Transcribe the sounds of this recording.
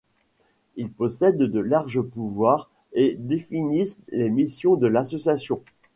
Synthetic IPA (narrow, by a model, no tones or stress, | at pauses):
ilpɔsɛd̪ːəlaʁʒəpuvwaːʁ | ed̪efinislemisjɔ̃d̪əlasɔsjasjɔ̃